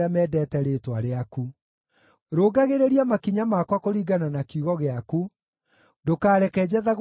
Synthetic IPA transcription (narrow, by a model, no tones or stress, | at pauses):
amɛːdɛːtɛɾetwa̰ɾeaku | ɾoːɡaɣeɾeɾiamakiɲamaːkwakoɾiːɡananakjuɣɔɣeaku | dokaːɾɛkɛd͡ʑɛðaɣ